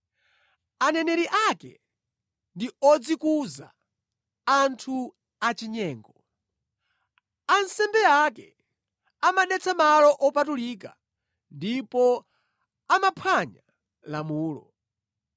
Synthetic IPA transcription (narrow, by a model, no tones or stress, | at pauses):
anɛnɛɾiʔakɛ̰ | ndiɔd͡zikuza̰ | antʰu | at͡ʃiɲɛːŋɡɔ | ansɛmbɛakɛ | amaɗɛt͡sʰamalɔʔɔpatuliːka | ndipɔ | amapʰwaɲa | lamuːlɔ̰